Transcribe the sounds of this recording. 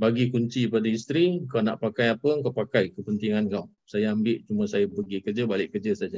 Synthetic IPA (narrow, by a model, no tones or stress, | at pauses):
baɡikuɲt͡ʃiəpadaist̪ɾikawna̰ʔpakajapəŋkawpakajkəpənt̪iŋankaw | sajaambɪʔ̚t͡ʃumə̃sajapəɡikərd͡ʒəbalɪʔkərd͡ʒəsad͡ʒa